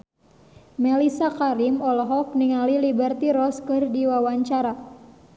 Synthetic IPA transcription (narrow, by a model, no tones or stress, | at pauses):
melisakaɾimɔlɦɔk̚niŋalilibərt̪iɾɔskɨrdiwawaɲt͡ʃaɾa